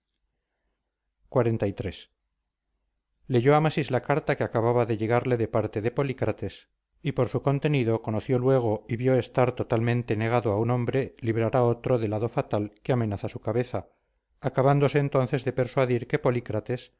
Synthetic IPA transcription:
kwaɾe̞nt̪ajt̪ɾe̞s | le̞ʝo̞amasizlakaɾt̪akeakaβaβaðe̞ʎe̞ɣaɾle̞ðe̞paɾt̪e̞ðe̞po̞likɾat̪e̞s | ipo̞ɾsuko̞nt̪e̞niðoko̞no̞θjo̞lwe̞ɣ̞o̞iβjo̞e̞st̪aɾt̪o̞t̪almẽnt̪e̞ne̞ɣ̞aðoaunõ̞mbɾe̞liβ̞ɾaɾao̞t̪ɾo̞ðe̞laðo̞fat̪alkeamẽ̞naθasukaβe̞θaː | kaβand̪o̞se̞ːnt̪o̞nθe̞zðe̞pe̞ɾswaðiɾke̞po̞likɾat̪e̞s

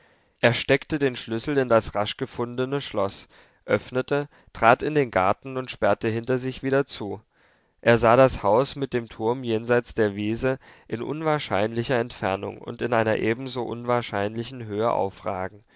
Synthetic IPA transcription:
ʔeːɐʃtɛktədeːnʃlʏsl̩ɪndasʁaʃɡ̥əfʊndənəʃlɔs | ʔœfnətə | tʁ̥aːtɪndeːnɡaɐtn̩ʊntʃpɛɐtəɦɪntɐzɪçv̥iːdɐt͡suː | ʔeːɐzaːɾashaʊsmɪt̚d̥eːmtʰʊɐmjeːnzaɪt͡sd̥eːɐviːzəʔɪnʔʊ̰nvaːɐʃa̰ɪnlɪçɐɛntfɛɐnʊ̰ŋʊ̰ntɪnʔaɪnɐ̰ʔeːbm̩zoːʔʊnvaːɐʃaɪnlɪçn̩ɦøːəʔa̰ʊfʁ̥a̰ːɡŋ̩

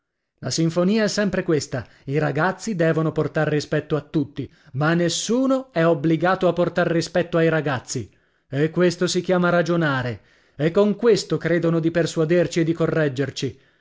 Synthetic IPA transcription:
lasiɱfoniːaɛsːɛmpɾekwest̪a | iɾaɡat̪sːid̪ɛːvonoport̪aɾːispɛt̪ːoat̪ːut̪ːi | manːesːuːnoɛobliɡaːt̪oapːort̪arːispɛt̪ːoajɾaɡat̪sːi | ekːwest̪osik̟jaːmaɾad͡ʒonaːɾe | ekːoŋkwest̪okɾeːd̪onod̪ipersuad̪ert͡ʃied̪ːikorːɛd͡ʒːert͡ʃi

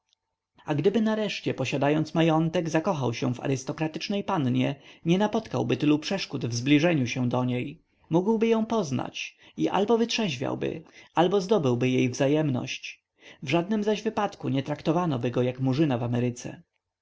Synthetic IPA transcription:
aɡd̪ɘbɘnaɾɛʂt͡ɕɛpɔɕad̪ajɔnt̪smajɔnt̪ɛɡzakɔxawɕɛ̃va̰ɾɪst̪ɔkɾat̪ɘt͡ʂnɛjpanɲɛɲɛnapɔt̪ka̰wbɘt̪ɘlupʂɛʂkud̪vzblʲiʐɛɲuɕɛw̃d̪ɔɲej | muɡwbɘjɔ̃w̃pɔzna̰t͡ɕ | iʔa̰lbɔvɘt̪ʂɛʑvʲa̰wbɘ̰albɔzd̪ɔbɘwbɘjejvzajɛmnɔ̰ɕt͡ɕ | vʐad̪̚nɘmzaʑvɘpat̪kuɲɛt̪ɾakt̪ɔvanɔbɘɡɔjakmuʐɘnavamɛɾɘt̪sɛ̰

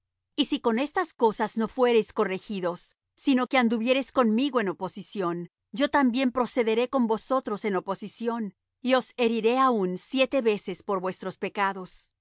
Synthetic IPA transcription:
isiko̞ne̞st̪asko̞sazno̞fwe̞ɾe̞jsko̞re̞xiðo̞sː | ino̞ke̞and̪uβje̞ɾe̞sko̞nmiɣoe̞no̞po̞sisjo̞n | d͡ʒo̞t̪ambje̞mpɾo̞se̞ðe̞ɾe̞ko̞mbo̞so̞t̪ɾo̞se̞nopo̞sisjo̞n | io̞se̞ɾiɾe̞aunsje̞t̪e̞βe̞se̞spo̞ɾβwe̞st̪ɾo̞spe̞kaðo̞s

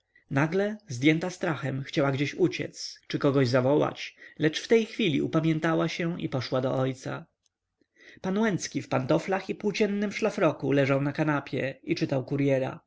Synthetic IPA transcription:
naɡlɛzd̪ʲjɛnt̪ast̪ɾaxɛmxt͡ɕawaɡd͡ʑeɕut͡ɕɛ̰t̪st͡ʂɘkɔɡɔʑzavɔwa̰t͡ɕlɛt͡ʂft̪ɛjxfʲilʲḭupamʲjɛ̃nt̪awaɕɛʔḭpɔʂwad̪ɔ̰ʔɔjt̪sa̰ | panwɛnt̪skʲifpant̪ɔflaxipuwt͡ɕɛnːɘmʂlafɾɔkulɛʐawnakanapʲjɛit͡ʂɘt̪awkuɾjɛɾa̰

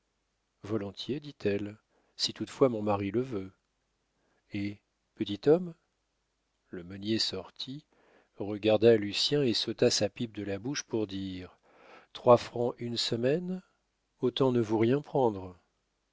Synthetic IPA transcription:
vɔlɔ̃t̪ʰjed̪it̪ʰɛl | sit̪ut̪fwamɔ̃maʁiləvø | e | pət̪it̪ɔm | ləmənjesɔʁt̪ʰi | ʁəɡaʁd̪alysjɛ̃esot̪asapip̚d̪əlabuʃpuʁd̪iːʁ | t̪χwafχɑ̃ʔynsəmɛn | ot̪ɑ̃nəvuʁjɛ̃pχɑ̃d̪ʁ

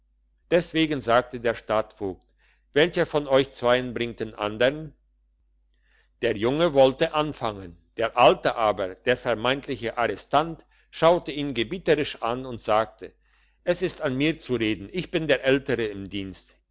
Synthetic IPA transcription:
d̥ɛsv̥eːɡn̩zaːk̚tədeːɐʃtaːtfoːk̚t | v̥ɛlçəfɔnɔʏçt͡sv̥aɪənbʁɪŋtənʔa̰ndəʁən | d̥eːɐjʊŋəvɔltəʔanfaŋənd̥eːɐʔaltəʔaːbɐd̥eːɐfɛɐmaɪntʰlɪçəʔaʁɛstant | ʃaʊtəiːnɡəbiːtəʁɪʃʔanʊntz̥aːk̚tʰə | ʔɛsɪstanmiːɐt͡suʁeːdn̩ɪçb̥ɪndeːɐʔɛltəʁəɪmdiːnst

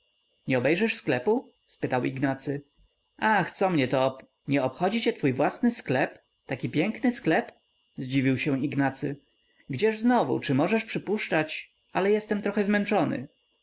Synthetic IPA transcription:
ɲɛɔbɛjʐɛʂsklɛpu | spɘt̪awḭɡnat̪sɘ | ʔaxt̪sɔmɲɛt̪ɔp | ɲɛɔpxɔd͡ʑit͡ɕɛt̪fujvwasnɘsklɛp | t̪akʲipʲjɛŋknɘsklɛp | zd͡ʑivʲiwɕɛ̃iɡnat̪sɘ | ɡd͡ʑɛʐznɔvṵt͡ʂɘmɔʐɛʂpʂɘpuʂt͡ʂat͡ɕ | alɛjɛst̪ɛmt̪ɾɔxɛzmɛnt͡ʂɔnɘ̰

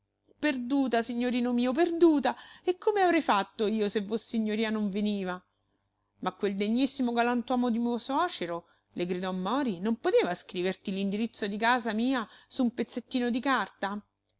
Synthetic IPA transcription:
perd̪uːt̪asiɲːoɾiːnomiːop̬erd̪uːt̪aekːomeavɾɛjfat̪ːoiːosevːosːeiɲːoɾiːanoɱveniːva | makːweld̪eɲːisːimoɡalant̪wɔːmod̪imoswɔːt͡ʃeɾo | leɡɾid̪ɔmːɔːɾinompot̪eːvaskɾiːvert̪ilind̪iɾit̪sːod̪ikaːzamiːasumpet̪sːet̪ːiːnod̪ikart̪a

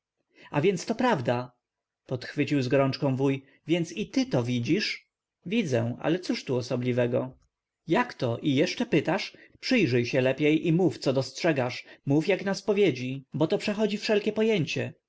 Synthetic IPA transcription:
avʲjɛnt̪st̪ɔpɾavd̪a | pɔt̪xfɘt͡ɕiwzɡɔɾɔnt͡ʂkɔ̃w̃vuj | vʲjɛnt̪sit̪ɘt̪ɔvʲid͡ʑiʂ | vʲid̪zɛ̃a̰lɛt̪suʂt̪uɔsɔblʲivɛɡɔ | jakt̪ɔʔijɛʂt͡ʂɛpɘt̪aʂpʂɘjʐɘjɕɛlɛpʲjejʔimuft̪sɔd̪ɔstʂɛɡaʂmufjaknaspɔvʲjed͡ʑibɔt̪ɔpʂɛxɔd͡ʑifʂɛlkʲɛpɔjeɲt͡ɕɛ

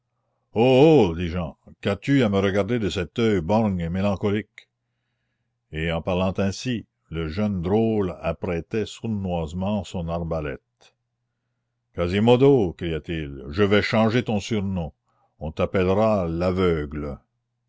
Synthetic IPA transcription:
ood̪iʒɑ̃kat̪yaməɾəɡaʁd̪ed̪əsɛt̪œjbɔʁɲemelɑ̃kɔlik | eɑ̃paʁlɑ̃t̪ɛ̃si | ləʒœnd̪ɾolapɾɛt̪ɛsuʁnwazmɑ̃sɔ̃naʁbalɛ̰t̪̚ | kazimod̪okɾijat̪ilʒəvɛʃɑ̃ʒet̪ɔ̃syʁnɔ̃ | ɔ̃t̪apɛlʁalavœɡlə

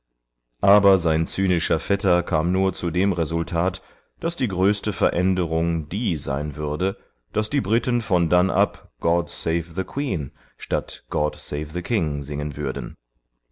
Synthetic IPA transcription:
ʔaːbɐzaɪnt͡syːnɪʃɐfɛtɐkʰaːmnuːɐt͡sudeːmʁezʊltʰaːt | d̥asd̥iːɡʁøːstəfɛɐʔɛndəʁʊŋd̥iːza̰ɪnvʏɐdə | d̥asd̥iːbʁɪtənfɔndanʔa̰pɡ̥ɔdseɪfðəkʰw̥iːn | ʃtatɡ̥ɔdseɪfðəkʰɪŋzɪŋənvʏɐdn̩

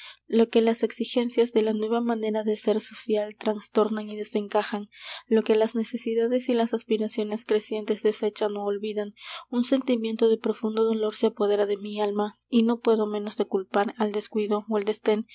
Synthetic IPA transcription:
lo̞ke̞lase̞ksixe̞nsjazðe̞lanwe̞βamane̞ɾaðe̞se̞ɾso̞sjalt̪ɾanst̪o̞ɾnaniðe̞se̞ŋkaxanlo̞ke̞lazne̞se̞siðaðe̞silasaspiɾasjo̞ne̞skɾe̞sje̞nt̪e̞zðe̞se̞t͡ʃano̞ːlβiðanunse̞nt̪imje̞nt̪o̞ðe̞pɾo̞fund̪o̞ðo̞lo̞ɾseapo̞ðe̞ɾaðe̞mialma | ino̞pwe̞ðo̞mẽ̞no̞zðe̞kulpaɾald̪e̞skwiðo̞wald̪e̞st̪e̞n

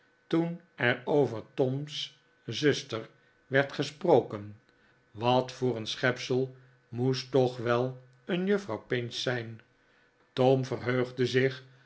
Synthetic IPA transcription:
tun | ɛɾowvəɹtɔms | zɵstəɹ | ʋɛɹtχəsprowkən | ʋɑtfʊːrənsχɛpsəlˠ | mustɔχʋɛlˠ | ənjøfrɑwpɪnsɛjn | tomvərɦøɥχdəzɪχ

